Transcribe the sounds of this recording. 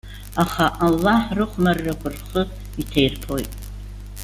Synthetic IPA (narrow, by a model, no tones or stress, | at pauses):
aχaʔalːaħrɨχʷmarːakʷʰʼʊrχə | itʰejrpʰo̞jtʼ